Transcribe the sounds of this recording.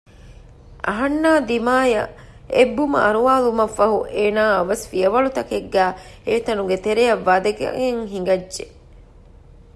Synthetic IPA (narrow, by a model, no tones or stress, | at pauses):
ʔɐ̰ɦɐnːaːd̪imaːjɐ | ebːumɐ̰ʔɐɾuʋaːlumɐfːɐɦuʔeːnaːɐʋɐsfijɐʋɐɭut̪ɐkeɡːæːeːt̪ɐnuɡet̪eɾejɐʋːaːd̪ɐɡ̰eŋɦiŋɡɐdːʒe